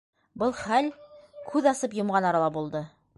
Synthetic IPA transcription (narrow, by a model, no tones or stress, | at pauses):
bɤlˠχælkʰʉðɑsɤpjŏmʁɑnɑɾɑlˠɑbulˠd̪ɤ